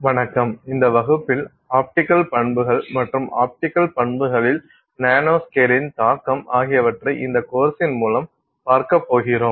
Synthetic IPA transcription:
ʋɐɳɐkːɐmɪnd̪ɐʋɐɣɯpːɪl | aːp̚ʈɪkːɐlpɐɳbɯɣɐɭmɐʈrɯmʔa̰ːp̚ʈɪkːɐlpɐɳbɯɣɐɭɪl | naːnoːskeːɾɪnt̪aːkːɐmaːɣɪjɐʋɐʈrɐɪʔɪnd̪ɐkoːɾsɪnmuːlɐm | paːɾkɐpːoːɣɪroːm

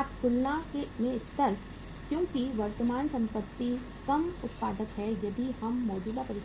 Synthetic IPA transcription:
aːt̪kʊlnakemẽɪst̪əɾ | kjõːkiʋɐɾt̪əmaːnsɐ̃mpət̪ːi | kɐmʊt̪paːd̪ək̪ɦɛjɐb̪ʱihɐmːɔːd͡ʒuːd̪apɐɾɪ

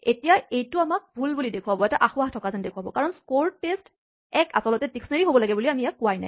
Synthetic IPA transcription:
etijaejtʊamak̚bʱulbulidekʰuabɔɛtaʔaxʊahtʰɔkazandekʰuwabɔkaɹɔnskoɹtest | ɛka̰sɔlɔtɛtiksnaɹiɦobɔlaɡɛbuliamijakːʊajna̰j

